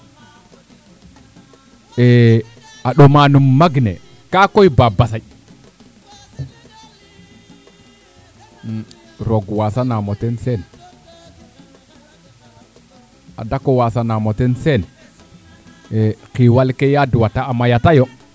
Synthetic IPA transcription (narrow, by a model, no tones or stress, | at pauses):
e | aɗomanumːaɡnḛ | kakojbabasai | ɾoɡwasanamotensen | a̰dakowasanamotensen | ekiwalkejaduwataamajatajo